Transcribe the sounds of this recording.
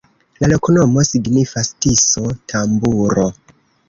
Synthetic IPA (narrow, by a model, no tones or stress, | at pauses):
lalokono̞mo̞siɡnifastiso̞tʰambuɾo̞